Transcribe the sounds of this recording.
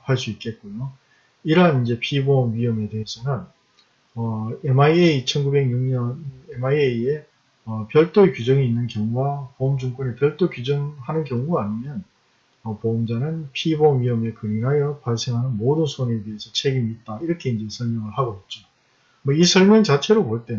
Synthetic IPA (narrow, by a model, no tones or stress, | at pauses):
haɭs͈uit̚k͈e̞t̚k͈ujo | iɾʌɦanind͡ʑe̞pʰibomɥiʌme̞te̞ɦesʰʌnɯn | ʌemaieit͡ɕʰʌnɡube̞ɡɲuŋɲʌnemaieie | ʌpjʌɭt͈oekjud͡ʑʌŋiinːɯnkjʌŋuɡapomd͡ʑuŋk͈one̞pjʌɭt͈okud͡ʑʌŋhanɯnkjʌŋuɡaaɲimjʌn | ʌpomd͡ʑanɯnpʰibomɥiʌmekɯɾinɦajʌpaɭs͈ʰe̞ŋɦanɯnmodɯnsʰone̞de̞ɦesʰʌt͡ɕʰe̞ɡimiːt̚t͈aiɾʌkʰe̞ind͡ʑe̞sʰʌɭmjʌŋɯɭhaɡoit̚t͡ɕ͈o | mʌisʰʌɭmjʌŋt͡ɕat͡ɕʰe̞ɾopoɭt͈e